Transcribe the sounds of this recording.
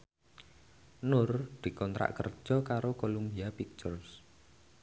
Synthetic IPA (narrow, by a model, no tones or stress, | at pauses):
nʊrd̪̥i̤kɔnt̪ɾa̰ʔkə̰r̥ʒ̥ɔkaɾokolumbiapik̚t͡ʃɔrs